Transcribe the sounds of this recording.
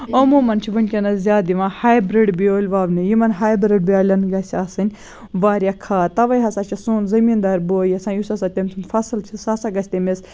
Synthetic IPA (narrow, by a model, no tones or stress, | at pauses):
omuːmɐnt͡ʃʰiʋɐnʲkʲɐnɐzʲjaːd̪iʋãhaːjbɾiɖbioːlʲʋaːʋnɨjimɐnɦaːjbɾɨɖ̚biaːlʲɐnɡɐsʲasɨnʲ | ʋaːɾʲjɐkʰaːt̪ɐʋɐjɦɐsat͡ʃʰisuːnzɐmiːnd̪aːɾboːjɐsãːjusɐsat̪ʲɐmʲsʰunfɐsɨlt͡ʃʰisɐsaɡɐsʲt̪ʲemes